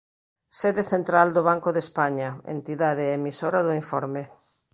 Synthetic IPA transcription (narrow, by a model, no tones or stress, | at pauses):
seðeθent̪ɾald̪oβ̞aŋkʊðespaɲɐḛnt̪iðaðeemisoɾɐðʊiɱfɔɾme